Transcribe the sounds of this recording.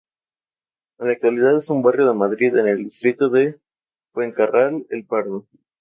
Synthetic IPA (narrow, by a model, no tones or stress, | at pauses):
enlak̚t̪waliðaðe̞sumbarjo̞ð̞emaðɾiðene̞ld̪ist̪ɾit̪o̞ðe | fweŋkarʔalḛlpaɾðo